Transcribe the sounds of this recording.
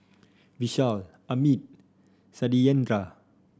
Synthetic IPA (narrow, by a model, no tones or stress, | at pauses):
wiɕalʔamit̪̚ | sadiɛnɾa